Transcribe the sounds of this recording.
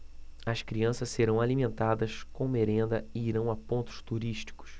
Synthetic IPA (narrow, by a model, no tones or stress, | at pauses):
ɐskɾiɐ̃sɐsseɾɐ̃w̃alimẽnt̪ad̪ɐskõw̃meɾẽnd̪ɐɪiɾɐ̃w̃apõnt̪ʊ̥ʃt̪uɾiʃt͡ʃi̥kʊ̥s